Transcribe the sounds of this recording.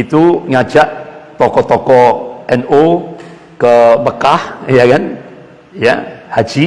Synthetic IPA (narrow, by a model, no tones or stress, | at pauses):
it̪uŋat͡ʃaʔt̪ɔkɔt̪ɔkɔʔɛno | kəbəkahjakan | ja̰had͡ʒi